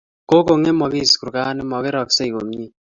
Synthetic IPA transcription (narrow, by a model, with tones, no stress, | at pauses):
ko˦ko˨ŋe˦mɔ˨ki˦˨sku˨ɾka˦nɪ˦mɔ˨ke˦ɾɔ˨kse˦i˨ko˨mɲi˦